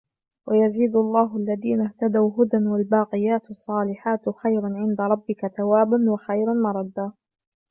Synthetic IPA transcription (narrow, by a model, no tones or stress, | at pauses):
wʔajaziːd̪lˤːɑːɦʊʔalːaðiːnaht̪ad̪awɦʊd̪anwalbɑːqɪjaːt̪ɑsˤːɑːlɪħaːt̪xajɾanʕɪnd̪aɾˤɑbːɪkaθawaːbanwaxajɾanmɑɾˤɑd̪ːaː